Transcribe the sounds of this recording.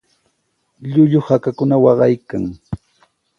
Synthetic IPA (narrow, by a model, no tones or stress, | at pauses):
ʎʊʎʊhakakʊnawɑɢɑjkaŋ